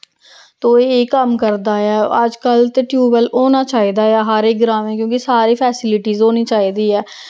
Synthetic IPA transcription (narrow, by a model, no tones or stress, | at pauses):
t̪oːeːeːkəmkəɾd̪aːɛːəd͡ʒkəlt̪eːʈjuːbəloːnaːt͡ʃaːɦiːd̪aːaːɦəɾeːk̚ɡɾãːmẽːkjõːkisaːɾiːpʰɛːsɪlɪʈiːzɦoːniːt͡ʃaːiːd̪iːɛː